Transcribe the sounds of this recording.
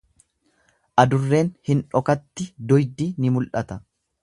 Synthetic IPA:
ʔɐd̪ʊrːe̞ːnhɪnᶑɔkɐt̪ːɪd̪ɔjd̪inɪmʊlʔɐt̪ɐ

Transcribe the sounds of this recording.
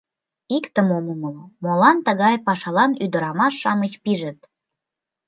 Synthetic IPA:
ikt̪əmomuməlomolɑnt̪ə̆ɣɑjpɑʃɑlɑnyd̪ə̆ɾɑmɑʃːɑmət͡ɕpiʒə̆t̪

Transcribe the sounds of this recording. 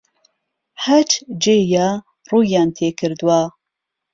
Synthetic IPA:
hat͡ʃd͡ʒeːja | ruːjɑːnt̪ʰeːkʰɨɾd̪uwa

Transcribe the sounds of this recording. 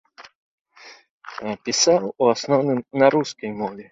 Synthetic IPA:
pʲisawuasnɔwnɨmnɐɾuskɐjmɔvʲɛ

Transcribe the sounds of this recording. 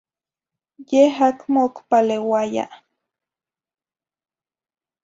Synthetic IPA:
jeɦakmokpalewaja̰

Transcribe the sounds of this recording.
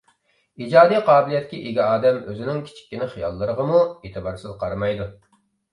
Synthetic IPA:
id͡ʒɑːd̪ijqʰɑːbɪlˠijɛt̪̚kʲiʔeɡʲiɑːd̪ɛmøzɪnɪŋkʲʰi̥t͡ʃʰi̥kʲːinɪχijɑlˠːɨɾəʁəmuet̪ʰɨbɑɾsɨzqʰɑɾmɑjd̪u

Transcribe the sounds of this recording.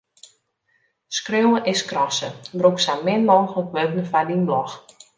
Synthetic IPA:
skrøəwəʔɪskrɔsəbruksamɪnmoːxələk̚ʋøvnəfadinblɔx

